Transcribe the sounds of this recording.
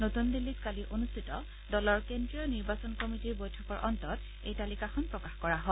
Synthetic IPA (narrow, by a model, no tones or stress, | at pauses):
notundilːit̚kaliʔonustʰitɔ | dɔlɔɹkendɹijɔniɹbasɔnkomitiɹbojtʰɔkɔɹʔɔntɔt | ḛjtalikaxɔnpɹɔkaxkɔɹaɦɔ